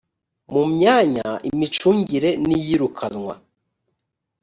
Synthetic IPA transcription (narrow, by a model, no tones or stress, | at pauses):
mumɲaːɲaḭmit͡ʃuːɲɟiɾe̞nijiɾukʰanŋwa̰